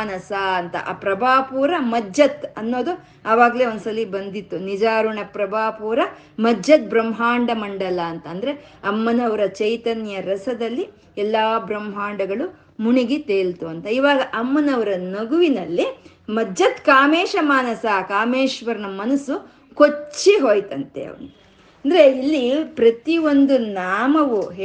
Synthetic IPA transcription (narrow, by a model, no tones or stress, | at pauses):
nɐsaɐnt̪ɐ̰ʔa̰ːpɾɐbʱaːpuːɾɐmɐd͡ʒɐt̪ɐnːo̞ːd̪u | ɐʋaːɡɐle̞ːond̪sɐlibɐnd̪it̪ːunid͡ʒaːɾuɳɐpɾɐbaːpuːɾɐ | mɐd͡ʒɐt̪̚bɾɐmɦaːɳɖɐmɐɳɖɐlɐːnt̪ɐːnd̪ɐɾe̞ɐmːɐnɐʋɐɾɐt͡ʃɐjt̪ɐnjɐɾɐsɐd̪ɐlːi | ɛlːaːbɾɐmɦaːɳɖɐɡɐɭu | muɳiɡit̪eːlt̪uɐnt̪ɐiːʋaːɡɐʔɐmːɐnɐʋɐɾɐnɐɡuʋinɐlːi | mɐd͡ʒːɐt̪kaːmeːʃɐmaːnɐsaːkaːmeːʃʋɐɾnɐmɐnɐsu | kot͡ʃːiɦoːjt̪ɐnt̪ḛɐ̰ʋɐ̰nu | ɐnd̪ɐɾeilːipɾɐt̪io̞nd̪unaːmɐʋuɦ